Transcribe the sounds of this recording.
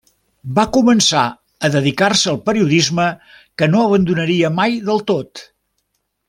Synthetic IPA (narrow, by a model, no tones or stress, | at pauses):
bakumənsa̰ | əðəðikarsəːlˠpəɾiuðizmə | kənoəβ̞ənd̪unəɾiəmajðəlˠt̪ot̪